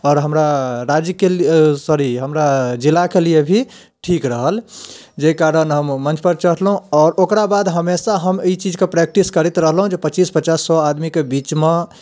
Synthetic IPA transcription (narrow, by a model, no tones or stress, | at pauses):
ɔːɾɦəmɾaɾad͡ʒəkelsəɾiɦəmɾad͡ʒilːakelijebʱi | ʈʰikɾəɦəl | d͡ʒekaɾənɦəmːənt͡ʃpəɾt͡ʃəɦt̪lɦũɔːɾokɾabad̪ɦəmesãɦəmit͡ʃid͡ʒkepɾɛk̚ʈiskəɾit̪ɾəɦlɦũd͡ʒepət͡ʃispət͡ʃasːɔad̪mikebit͡ʃme